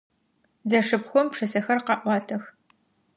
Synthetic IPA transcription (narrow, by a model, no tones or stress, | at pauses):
zɐʂɨpxʷɔmpʂɨsɐxɐrqɑʔʷɑːtʰɐx